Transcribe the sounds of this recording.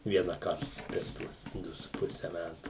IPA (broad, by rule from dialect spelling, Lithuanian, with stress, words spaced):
ʋʲiɛnɐˈkɐrt pʲɛr ˈtuɔs ˈdʊ sʊ ˈpʊsʲɛ ˈmʲætʊ